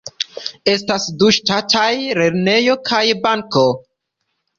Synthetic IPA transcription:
e̞stasduʃtatʰajɾe̞ɾne̞jo̞kʰajbaŋko

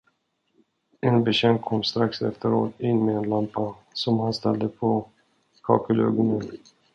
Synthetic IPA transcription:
ɛnbɛɕɛŋkkʰːɔmːst̪ɾaksɛ̰ft̪əɾo̰ːt̪ɪnːmeɛnlampasɔmhanst̪ɛld̪əpʰɔ | kʰɑ̰ːkəlø̰ːɡɔnən

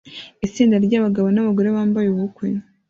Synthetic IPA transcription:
it͡siːndaɾɟaːβaɡaβonaβaɡo̞ɾe̞βaːmbajuβuukwe

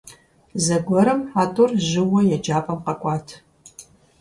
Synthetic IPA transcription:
zɐɡʷɔɾɨmħaːtʼʊrʑɨwɔjɛd͡ʒaːpʼɐmqɐkʷʼɑːtʰ

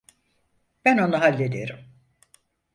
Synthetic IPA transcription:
b̥æno̞naɦalʲːed̪ieɾim

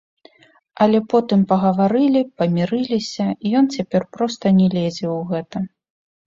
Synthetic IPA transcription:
ɐlʲɛpɔt̪ɨmpɐɣɐvaɾɨlʲipɐmʲiɾɨlʲisʲɐijɔnt͡sʲapʲɛrpɾɔst̪ɐnʲɛlʲɛd͡zʲɛwɣɛt̪ɐ

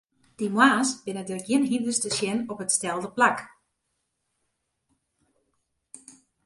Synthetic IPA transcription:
d̥imwaːsb̥ɪnədəɡjɪənɦindəstəsjɛnɔpətstɛlˠdəplak

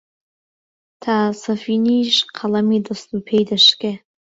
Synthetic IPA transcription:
tʰasafiniʂqʰalamidastupʰejdaʂkʲʼe

